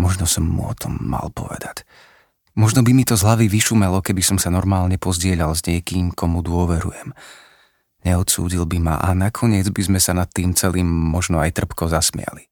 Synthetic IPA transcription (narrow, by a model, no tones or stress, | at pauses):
mɔʒnɔsɔmːṵɔ̰t̪ʰɔmːa̰lpɔ̰ʋɛ̰d̪ac | mɔʒnɔbimit̪ɔzɦlaʋiʋiʃumɛlɔkɛbisɔmsanɔɾmaːlɲɛpɔzɟɪɛʎalzɲɪɛkiːmkʰɔmud̪ʊɔʋɛɾṵjɛm | ɲɛɔt̪sṵːɟilbima̰ʔanakʰɔɲɪɛd͡zbizmɛsanat̪ːiːmt͡sɛliːmːɔʒnɔajt̪r̩pkɔzasmɪa̰li